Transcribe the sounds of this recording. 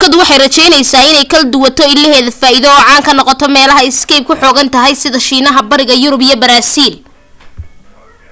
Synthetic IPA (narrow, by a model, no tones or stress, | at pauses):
kʰɐd̪wɑħɑjrɐt͡ʃɛjnɛjsaːɪnɛjkʰɐld̪ʊwɐt̪ʰɔɪlːɐɦɛːðɐfaːiðɔːʕɑːŋkʰɐnɔqɔt̪ʰɔmɛːlɐɦɐɪskɛjb̚kʰʊħɔːɣɐnt̪ʰɐɦɛjsɪðɐʃiːnɐɦɐbɐɾɪɣɐjʊɾʊbijɐbɐɾaːsiːl